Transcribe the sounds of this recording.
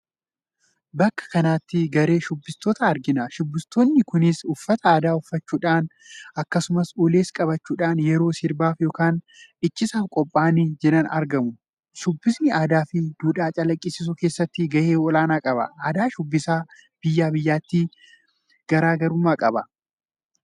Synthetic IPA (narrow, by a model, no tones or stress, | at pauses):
bɐkːɐ̥kɐnaːt̪ːɪɡɐɾe̞ːʃʊbːɪst̪o̞ːt̪ɐːɾd͡ʒɪnɐʃʊbːɪst̪oːnːɪkʊnɪsʊfːɐt̪ɐaːd̪aːʊfːɐt͡ʃːuːᶑaːn | ɐkːɐsʊmɐsuːleːskʼɐbɐt͡ʃːuːᶑaːnjɛɾo̞ːsɪɾbaːfjo̞ːkaːn | ɪt͡ʃːɪsaːfkʼɔpʼːaːnɪd͡ʒɛᶑɐnɐ̰ɾɡɐmʊ | ʃʊbːɪsnɪʔaːd̪aːfɪd̪̥uːᶑaːt͡ʃʼɐlɐkʼːɪsɪs̬ʊke̞ːsːɐt̪ːɪɡɐʔeːɔlaːnaːkʼɐbɐ̰ʔaːd̪aːʃʊbːɪsaː | b̥ɪjːaːbɪjːaːt̪ːi | ɡ̥ɐɾaːɡɐɾʊmːaːkʼɐbɐ